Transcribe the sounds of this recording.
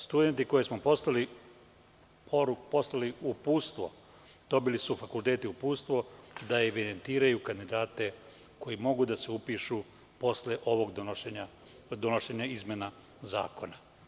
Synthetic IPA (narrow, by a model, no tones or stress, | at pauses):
st̪ud̪e̞nt̪iko̞jesmo̞po̞slali | pʰoɾukpo̞slaliupuːst̪ʋo̞̰ | d̪̥o̞bilisufakulˠt̪eːt̪iupuːst̪ʋo̞d̪aeʋid̪e̞nt̪iːɾajukand̪id̪aːt̪e̞ | ko̞imo̞ɡud̪aseupiʃu | po̞sleʔo̞ʋoɡd̪ʃeɲa | d̪onoʃeːɲaizmʲjena | za̰ːko̞̰na